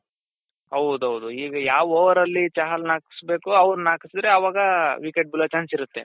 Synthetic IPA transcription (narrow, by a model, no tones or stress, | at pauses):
ɐwd̪uɐwud̪uiːɡɐjaːʋoːʋɐɾɐlːit͡ʃaːɦɐlnaːki̥sbe̞ːkuɐʋɐɾunaːkisid̪ɾeɐʋaːɡɐʋikeʈ̚bilɐt͡ʃaːnsiɾut̪ːe̞